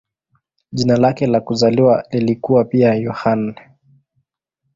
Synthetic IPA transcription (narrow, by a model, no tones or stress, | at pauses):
ʄinalakɛlakuzaliwalilikuwapiajɔhan